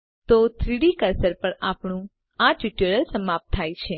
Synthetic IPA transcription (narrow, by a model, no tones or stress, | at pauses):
t̪ot̪ʰɾiɽikəɾsəɾpəɳapɳũ | aʈiʈəɾəɾsəmap̚t̪ʰːajt͡ʃʰe